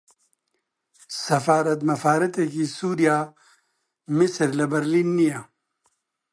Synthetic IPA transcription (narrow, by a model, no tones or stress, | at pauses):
sɐfaːɾɐt̪mɐfaːɾɐt̪ekisuːɾija | misɾlɐbɐɾlinːija